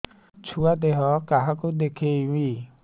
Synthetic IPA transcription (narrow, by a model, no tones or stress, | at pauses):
t͡ʃʰuad̪eɦɔkaɦakud̪ekʰewi